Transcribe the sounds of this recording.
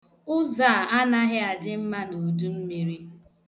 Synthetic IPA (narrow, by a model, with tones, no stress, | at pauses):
ʊ˦za˦˨a˦na˦ɦɪ˦a˨dɪ˦m̩˦ma˦no˨du˦m̩˦me˨ɾi˦